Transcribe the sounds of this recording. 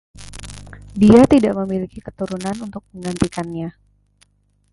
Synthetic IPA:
diat̪idaʔməmilikikət̪uɾunanunt̪ʊk̚məŋɡant̪ikanɲa

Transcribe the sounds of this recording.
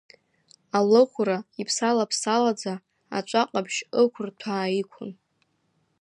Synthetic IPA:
alɨχʷraipʰsalapʰsalad͡za | a̰t͡ʃʷʼaqʼabʃəkʷʰʊrtʰaːikʷʰʊ̰n

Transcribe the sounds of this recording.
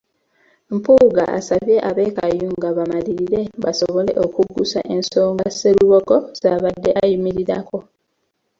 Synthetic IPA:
mpuːɡaa̰saβje̞ʔaβe̞ːkajuŋɡaβamaliɾiɾe̞βaso̞βo̞le̞̰ʔo̞kuɡusa̰ʔe̞nso̞ːŋɡase̞luβo̞ko̞zaβadːe̞ʔajimiɾiɾako̞

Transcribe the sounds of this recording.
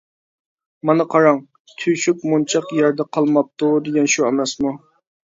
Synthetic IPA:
mɑnɨqʰɑɾɑŋ | t̪ʰyʃykmont͡ʃʰɑqjæɾd̪ɛqʰɑlˠmɑp̚t̪ud̪eɡʲɛnʃuɛmɛsmu

